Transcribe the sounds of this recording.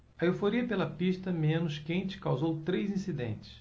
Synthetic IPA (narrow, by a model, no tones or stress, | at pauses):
ɐewfoɾiɐpelɐpiʃt̪ɐmẽnʊskẽnt͡ʃɪ̥kawzowt̪ɾejzĩsid̪ḛ̃nt͡ʃɪ̥s